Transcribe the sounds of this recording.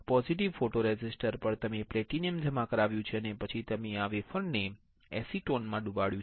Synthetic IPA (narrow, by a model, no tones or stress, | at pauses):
pɔziʈiʋfoʈoɾed͡ʒɪsʈəɾpəɽt̪əmeplɛʈiniəmd͡ʒʱəmãkəɾaʋjũt͡ʃʰeənepət͡ʃʰit̪əmeaʋefəɳɖne | ɛsiʈonmãɖũbaɽjũt͡ʃ